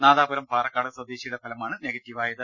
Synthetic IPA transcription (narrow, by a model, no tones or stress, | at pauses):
naːðaːbɐɾɐmpaːrɐkːaːɽɨswɐd̪eːɕijuɽepʰɐlɐmaːɳɨne̞ːɡɐtʲːiʋaːjɐðɨ